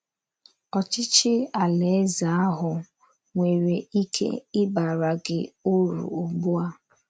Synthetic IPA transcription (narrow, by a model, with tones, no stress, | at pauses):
ɔ˨t͡ʃɪ˦t͡ʃɪ˦a˨le˨˦za˨a˦ɦʊ˨ | ŋʷe˨ɾe˨i˦kʰḛ˦ɪ˦ba˨ɾa˨ɡɪ˦˨o˦ɾṵ˨o˨ɡ͡bu˦a˦